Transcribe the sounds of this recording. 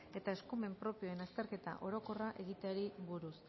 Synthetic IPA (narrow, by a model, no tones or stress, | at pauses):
e̞t̪ae̞skume̞mpɾo̞pio̞enast̪e̞ɾke̞t̪a̰ʔo̞ɾo̞ko̞raʔe̞ɣit̪eaɾiβuɾus